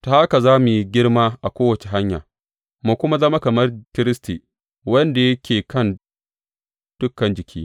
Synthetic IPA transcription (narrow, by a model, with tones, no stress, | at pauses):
ta˨hʔa˦ka˨zaː˦mu˨ji˦ɡʲɪ˦ɽmaː˦ʔa˨kʷoː˦wɐ˨t͡ʃe˨ɦa˦ɲja̰ː˨ | mu˦kʷʊ˦ma˦zɐ˦ma˦kɐ˨mɐ˦rkʲɪ˦ɾɪ˦sti˨ | wɐ˦nda˨jɐ˦kʲʰeː˨kɐ˦˨n | d̥ʊ˦kːɐ˨nd͡ʒɪ˨kʲʰiː˦